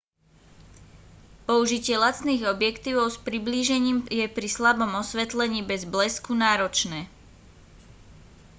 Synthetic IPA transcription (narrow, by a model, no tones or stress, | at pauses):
pɔuʒicɪɛlat͡s̪niːɣɔbjɛkt̪iːʋɔʊspɾibliːʒɛɲiːmjɛpɾislabɔmɔsʋɛt̪lɛɲiːbɛzblɛskunaːɾɔt͡ʃnɛː